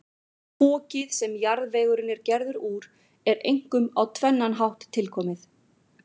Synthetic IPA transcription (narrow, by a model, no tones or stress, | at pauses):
pɔːcɪðsɛmjaɾðvɛːjɣʏɾɪnːɛɾcɛɾðʏɾuːɾ̥ | ɛɾejŋ̥kʏmawt̪ʰvɛnːanɦawht̪ʰːɪlkʰɔːmɪθ